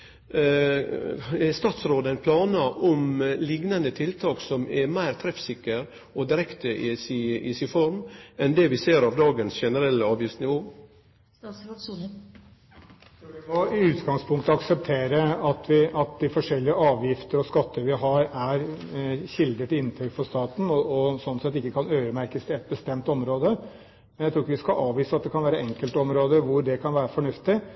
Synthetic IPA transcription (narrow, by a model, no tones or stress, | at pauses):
ɛst̪ɑːt̪sɾoːd̪əæɪnpʰlɑːnɑʔɔmlɪɡnɑnət̪ʰɪlt̪ʰɑːksɔmɛɾmæɪɾt̪ʰɾɛfsɪkːəɾ | ɔd̪ɪɾɛkt̪əʔɪsɪɪ̰sɪfɔɾmɛnd̪ɛʋɪseːɾɑʋd̪ɑːɡənsʃɛnəɾɛlːəɑːʋjɪftsnɪʋoː | sɔʋɪmɔɪʉːt̪ɡɑŋspʰʊŋkt̪əɑksɛp̚t̪ʰeːɾəɑt̪ʰʋɪʔɑt̪̚d̪ɪfɔʂɛlːɪəʔɑːʋjɪft̪əɾɔskɑt̪ːəɾʋɪɦɑɾæɾçɪld̪ət̪ɪɪnːt̪ʰɾɛk̪fɔʂt̪ɑːt̪n̩ɔɔsɔnːsɛt̪ːɪkːəkʰɑnøːɾəmæɾkəst̪ɪɛt̪̚bəst̪ɛmt̪ɔmɾoːd̪ə | mɛnjæt̪ɾuːɪkːəʋɪskɑʔɑːʋʋiːsəɑt̪̚d̪ɛkʰɑnʋæːɾəʔɛŋkəlt̪ɔmɾoːd̪əʋʊɾɖ̪ɛkʰɑnʋæːɾəfɔɳʉft̪ɪ